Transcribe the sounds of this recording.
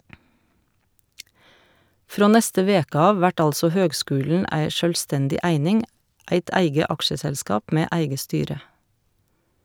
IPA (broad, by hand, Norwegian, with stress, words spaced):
ˈfɾoː ˈnɛstə ˈʋeːkə ˈɑːʋ ˈʋæʈ ˈɑlsɔ ˈhøːɡˌskʉːln̩ ˈæɪ ˈʃœlˌstɛndɪ ˈʔæɪnɪŋ ˈæɪt ˈæɪɡə ˈʔɑkʃəsɛlˌskɑːp ˈmeː ˈʔæɪɡə ˈstyːɾə